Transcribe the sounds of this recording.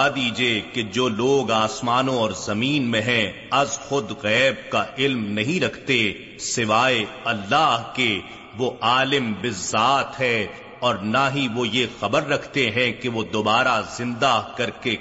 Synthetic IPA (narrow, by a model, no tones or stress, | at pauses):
d̪iːd͡ʒieked͡ʒoːloːɡaːsmaːnõɔːɾzɐmiːnmẽɦɛ̃ | ɐzxʊd̪ɣɛːb̚kaʔɪlmnɐɦĩɾɐkʰt̪e | sɪʋaːeɐlːaːɦke | ʋoʔaːlɪmbɪzːaːt̪ɦɛ | ɔːɾnaɦiʋojexɐbəɾːɐkʰt̪eɦɛ̃keʋod̪oːbaːɾazɪ̃nd̪akɐɾke